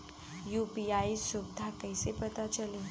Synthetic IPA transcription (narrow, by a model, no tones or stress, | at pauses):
jupiajsubd̪ʱakəjsepət̪at͡ɕəlĩ